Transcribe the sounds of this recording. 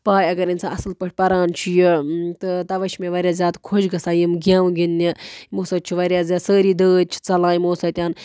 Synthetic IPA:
paːjɐɡɐɾinsãːɐsɨlpɐʈʰʲpɐɾaːnt͡ʃʰujit̪ɨt̪ɐʋɐʃmẽʋɐɾʲjaːzʲjaːt̪kʰoʃɡɐsaːjimɡãːʋũɡinːimoːsɐt̪̚ʲt͡ʃʰuʋɐɾʲjaːzʲaːsəːɾiːd̪əːd̪̚ʲt͡ʃʰi̥t͡sɐlãːimoːsɐt̪ʲjaːn

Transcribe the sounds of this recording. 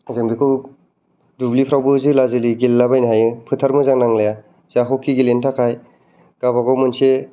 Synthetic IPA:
zɯŋbikʰɯ | dublipʰɾawbɯzɯlazɯliɡilːabajnaɦajɯpʰɯtʰaɾmɯzaŋnaŋlaja | zaɦɔkʰːiɡilentʰakʰaj | ɡ̥abaɡɔwmɯnse

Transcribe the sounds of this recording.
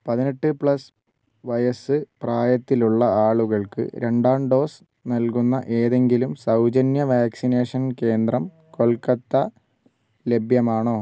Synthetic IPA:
pɐðineʈːɨpɭɐs | ʋɐjɐsɨpraːjɐt̪ːiluɭːɐaːɭuɣɐɭkɨ̰ɾe̞ɳɖaːɳɖo̞ːs | nɐlkunːɐʔe̞ːðe̞ŋɡilumsɐwd͡ʑɐnjɐʋaːksine̞ːʂɐnke̞ːnd̪rɐm | ko̞lkɐt̪ːɐ | le̞bʱjɐmaːɳoː

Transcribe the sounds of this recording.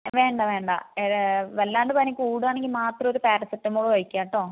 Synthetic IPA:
ʋe̞ːɳɖɐʋe̞ːɳɖa̰eʋelːaːɳɖɨpɐnɐkʲːuːɽuaːɳeŋɡilmaːt̪rɐmoɾupeːʈːɐsɐtːɐmːoːɭuʋɐɻikʲːaːʈːoː

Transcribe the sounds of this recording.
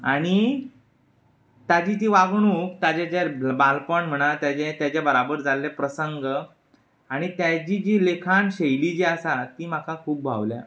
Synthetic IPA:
aɽ̃i | t̪ad͡ʑiːt̪̬iːʋaɡɳukt̪at͡ɕat͡ɕabalpəɳm̤əɽ̃at̪jat͡ɕet̪jat͡ɕjabəɾabəɾd͡zalːepɾəsəŋɡə | aɽ̃it̪jad͡ʑid͡ʑiːlekʰanɕejlid͡ʑiasat̪iːm̤akʰakʰuːp̚bʱa̰ʋlja̰

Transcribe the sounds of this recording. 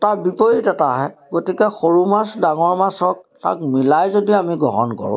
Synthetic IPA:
taɹbipojitɛtaɦɛɡotikɛxoɹumasdaŋɔɹmasɔk̚ta̰k̚milajzodiamiɡɔ̰ɦɔ̰nkɔ̰ɹʊ̰̃

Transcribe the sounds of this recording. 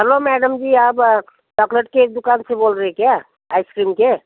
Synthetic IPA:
əɾlomɛɖəmd͡ʒiab | ɖɔkləʈked̪ukansẽbolɾəɦekeja | ajskɾimke

